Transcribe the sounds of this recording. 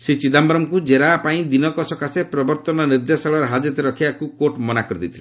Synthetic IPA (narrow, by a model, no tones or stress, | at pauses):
set͡ʃid̪ambɾɔmkud͡ʒeɾaːpaĩd̪inɔkɔsɔkasepɾɔbɔɾt̪ɔnɔniɾd̪jɔsɔɭɔɾɦad͡ʒɔt̪ɔɾɔkʰiakukoʈmɔnakɔɾid̪it̪ʰile